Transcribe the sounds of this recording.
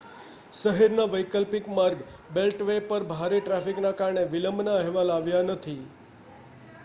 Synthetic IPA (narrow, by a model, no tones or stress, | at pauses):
ʃəɦɛɾnaʋəjkəlpikmaɾɡ | belʈʋepəɾbʱaɾeʈɾafiknakaɾɳeʋɪləmbnaɛɦʋalaʋjanət̪ʰi